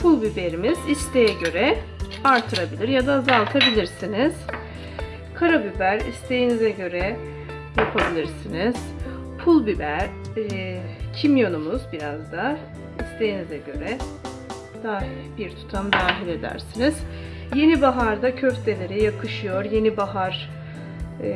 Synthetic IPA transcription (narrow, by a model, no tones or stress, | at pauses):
pʰulˠbibe̞ɾimiz̥ist̪ʰe̞jɛɟø̞ɾɛ | aɾt̪ʰɯɾabilʲiɾjad̪azalˠt̪ʰabilʲiɾsiniz̥ | kʰaɾabybæɾḭst̪ʰe̞jinizɛɟø̞ɾɛ | japʰabilʲiɾsiniz̥ | pʰulˠbibæɾ̥ | cʰimjo̞numuzbiɾazd̪a | ist̪ʰe̞jinizɛɟø̞ɾɛ | d̪̥a | biɾt̪ʰu̥t̪ʰamd̪aːɦilʲe̞d̪æ̰ɾsiniz̥ | je̞nibaɦaɾd̪acʰøft̪d̪e̞lʲe̞ɾijakʰɯʃɯjo̞ɾje̞nibaɦaɾ